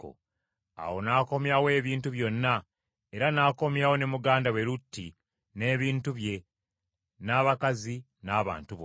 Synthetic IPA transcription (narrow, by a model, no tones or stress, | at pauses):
o̰ | a̰wo̞naːko̞mjawe̞ːβiːntuβjo̞nːa | e̞ɾanaːko̞mjawo̞ne̞muɡaːndawe̞ɾutʰːi | ne̞ːβiːntuβje̞ | naːβakazi | naːβa̰ːntuβ